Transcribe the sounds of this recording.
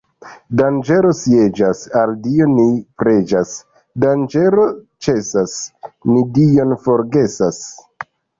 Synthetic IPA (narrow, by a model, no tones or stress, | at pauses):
dand͡ʒe̞ɾo̞sie̞d͡ʒasaldio̞nipɾe̞d͡ʒas | dand͡ʒe̞ɾo̞ | t͡ʃe̞sasnidio̞nfo̞ɾɡe̞sas